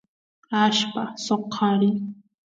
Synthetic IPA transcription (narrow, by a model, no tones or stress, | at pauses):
aʃpasoqʰɑɾɪ